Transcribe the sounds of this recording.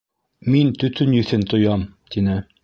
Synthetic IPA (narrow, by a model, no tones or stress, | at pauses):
mint̪ɵ̆t̪ɵnjɵ̆θɘnt̪ŏjɑmt̪inɘ